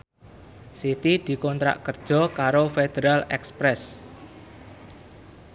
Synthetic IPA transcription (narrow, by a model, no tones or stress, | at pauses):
sit̪id̪̥i̤kɔnt̪ɾa̰ʔkərd̥ʒ̥ɔ̤kaɾofed̪̥eɾalɛkspɾɛs